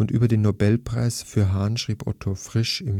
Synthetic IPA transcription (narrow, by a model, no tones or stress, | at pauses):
ʊntʔyːbɐdeːnːobɛlpʁ̥a̰ɪsfyːɐɦaːnʃʁ̥iːpʔɔ̰tʰofʁ̥ɪʃɪm